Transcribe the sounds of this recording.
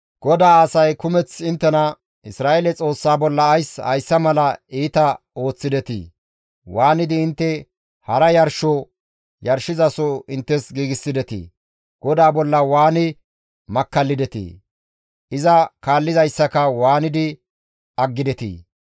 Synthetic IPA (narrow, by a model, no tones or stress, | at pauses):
ɡ̥ɔd̪aːɐsɐjkʊmɛt͡sɪnt̪ːɛnɐ | ɪsɾaːeːlɛt͡sʼo̞ːsːaːbɔlːɐːjsɐ̰jsːɐmɐlɐiːt̪ɐ | o̞ːt͡sːɪd̪ɛt̪ḭː | waːnɪd̪ɪːnt̪ːɛ | hɐɾɐjɐɾʃɔ | jɐɾʃɪzɐsɔɪnt̪ːɛsɡiːɡɪsːɪd̪ɛt̪ḭː | ɡ̥ɔd̪aːbɔlːɐwaːnɪ | mɐkːɐlːɪd̪ɛt̪ḭ | ʔɪzɐkaːlːɪzɐjsːɐkɐwaːnɪd̪ɪ | ɐɡːɪd̪ɛt̪ḭː